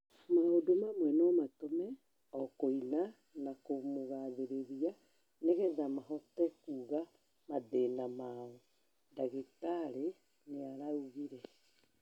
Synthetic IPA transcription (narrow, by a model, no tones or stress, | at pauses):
maodomamwɛnɔmatomɛ | ɔkoina | nakomoɣaðeɾeɾia | neɣɛðamaɦɔtɛkuːɣa | maðenamaɔ | ndaɣetaɾe | neaɾauɣiɾɛ